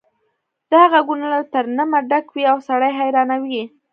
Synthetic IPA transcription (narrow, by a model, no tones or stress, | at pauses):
d̪̥əaɣaɡunalat̪əɾnamaɖakwiawsaɽajɦajɾɑnawi